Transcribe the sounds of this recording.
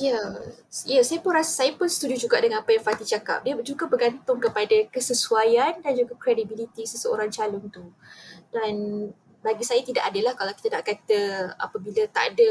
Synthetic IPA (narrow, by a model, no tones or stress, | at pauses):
ja | ijasajapʊnrasasajapʊnsə̥t̪udiud͡ʒuɡaʔdəŋanapajaŋfat̪it͡ʃaka̰p̚diəd͡ʒuɡabərɡant̪ʊŋkəpadakəsəsuajandand͡ʒuɡakɾedibilit̪isəsəo̰ɾaŋt͡ʃalʊnt̪ud̥an | baɡisajat̪idaʔadəlahkalawki̥t̪anaʔkat̪əa̰pabilat̪a̰ʔadə